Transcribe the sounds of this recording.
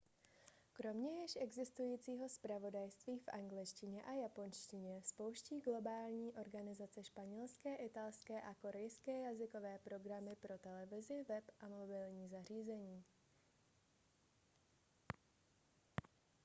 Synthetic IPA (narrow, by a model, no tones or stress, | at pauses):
kɾo̞mɲɛjɪʃʔɛɡzɪst̪ujiːt͡siːɦo̞spɾavo̞dajst̪viːfʔaŋɡlɪʃcɪɲɛʔajapo̞nʃcɪɲɛspo̞wʃciːɡlo̞baːlɲiːʔo̞ɾɡanɪzat͡sɛʃpaɲɛlskɛːʔɪt̪alskɛːʔako̞ɾɛjskɛːjazɪko̞vɛːpɾo̞ɡɾamɪpɾo̞t̪ɛlɛvɪzɪvɛpʔamo̞bɪlɲiːzar̝iːzɛɲiː